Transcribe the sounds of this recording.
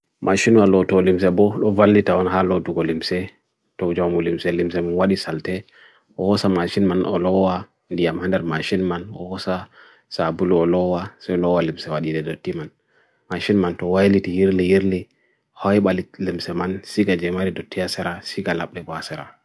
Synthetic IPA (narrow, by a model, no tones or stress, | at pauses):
maʃinwalɔtɔlims̬ɛbɔɗɔvalːitawɔnhaloduɡɔlimsɛ | tɔd͡ʒawamulimsɛlimsɛmanwaɗisaltɛ | ʔɔhɔsamaʃinmanɔ̰lɔwa | ndijamhandɛɾmaʃinmanɔ̰hɔsa | sabuluɔlɔwasɛlɔwalimsɛwaɗidɛdotːiman | maʃinmantɔwajlitijiɾlijiɾli | hɔjɓalilimsɛmansiɡad͡ʒɛmaɾidɔtːijasɛɾasiɡalaɓɗɛbɔasɛɾa̰